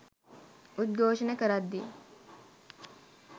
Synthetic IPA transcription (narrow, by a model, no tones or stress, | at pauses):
ʔʊt̪̚ɡoːʃɐnɐkɐɾɐd̪ːi